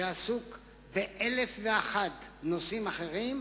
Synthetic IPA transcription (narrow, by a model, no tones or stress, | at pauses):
easuk | beʔelefveaχatnosimaχe̞ʁim